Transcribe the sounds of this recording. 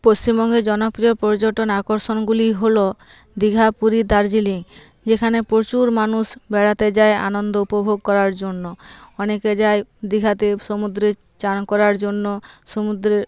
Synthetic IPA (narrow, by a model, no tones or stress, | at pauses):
post͡ɕimbɔŋɡed͡ʒɔnɔpɾijɔɾpɔɾd͡ʒoʈɔnakɔɾsɔnɡuliɦolo | d̪iɡʱapuɾid̪aɾd͡ʒiliŋ | d͡ʒekʰanepɾot͡ʃuɾmanusbɛɽat̪ed͡ʒaea̰nɔnd̪ɔupobʱoɡ̚kɔɾaɾd͡ʒonːɔɔneked͡ʒaed̪iɡʱat̪esomud̪ɾe | t͡ʃankɔɾaɾd͡ʒonːɔsomud̪ɾe